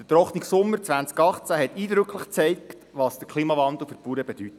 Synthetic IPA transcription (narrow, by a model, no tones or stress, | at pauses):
d̥ət̪ɾɔχniksʊmːəɾt͡sʋænt͡skɑχt͡sæhɛt̪iːdɾʏkləχt͡sɛɪkt | ʋɑːsd̥əkʰliːmɑvɑnd̪l̩ˠfəpuːɾəbed̥ytə